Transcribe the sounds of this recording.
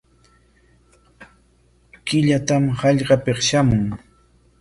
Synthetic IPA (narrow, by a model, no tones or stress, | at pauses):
kɪʎat̪amhɑʎɢɑpeχʃamʊŋ